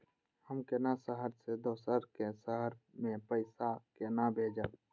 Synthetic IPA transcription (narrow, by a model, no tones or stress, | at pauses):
həmkenasəɦəɾsed̪oːsəɾkesəɦəɾmẽpəɪsakenabʱeːd͡ʒə